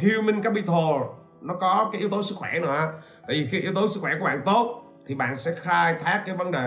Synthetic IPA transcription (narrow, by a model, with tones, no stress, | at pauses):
ɦi˧əwmi˧ŋkaː˦˥pɓi˧t̪ʰo˧˩ | nɔ˨˦kɔ˨˦kaː˨˦ʔi˨˦wt̪o˨˦sɨ˦˥k̚xwɛ˧˩nɨ̰˧˩˦ʔaː˧t̪a̰ː˧˨jvi˨˩xi˧ʔi˨˦wt̪o˨˦sɨ˦˥kxwɛ˧˩ku˧˩əɓa̰ː˧˨nt̪o˦˥t̚ | t̪ʰi˨˩ɓa̰ː˧˨nsɛ̰˧˥xaː˧jt̪ʰaː˦˥k̚kaː˨˦jvə˨˦nɗe˨˩